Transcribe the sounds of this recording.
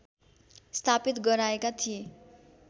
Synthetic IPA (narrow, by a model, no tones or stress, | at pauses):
st̪ʰapit̪ɡʌɾaekat̪ʰije